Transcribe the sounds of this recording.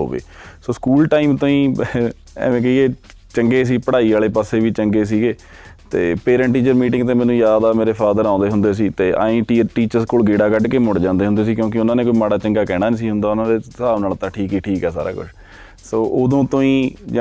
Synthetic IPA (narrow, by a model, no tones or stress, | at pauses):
ɦo̰ːʋḛː | soːskuːlʈaːiːmt̪õːĩː | ɛ̰ːʋẽːkɛieː | t͡ʃəŋɡeːs̬iːpəɽaːiːaːleːpaːseːʋiːt͡ʃəŋɡeːs̬iːɡeː | t̪ḛːpeːɾə̃ɳʈiːt͡ʃəɾmiːʈɪ̃ŋɡ̚t̪eːmɛːnũːjaːd̪aːmeːɾeːpʰaːd̪əɾãːnd̪eːɦʊnd̪eːs̬iːt̪eːʔa̰ːĩːʈiːʈiːt͡ʃəɾskoːlɡeːɽaːkəʈkeːmʊɽd͡ʒãːnd̪eːʊ̃nd̪eːsiːkjõːkɪʊnãːneːkoːiːmaːɽaːt͡ʃəŋɡaːkɛːɽ̃aːnisiːɦʊnd̪aːʊnãːd̪eːsaːʋnaːlt̪ãːʈʰiːkiʈʰiːkɦɛːsa̰ːɾa̰ːkʊ̰t͡ʃʰ | soːʔod̪õːt̪õːĩːd͡ʒ